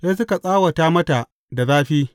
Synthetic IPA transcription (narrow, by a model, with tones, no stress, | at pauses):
ja˦s̬ʊ˦ka˨sʼaː˦wa˨taː˦mɐ˦ta˨ʔ | da˨zaː˦ɸiː˦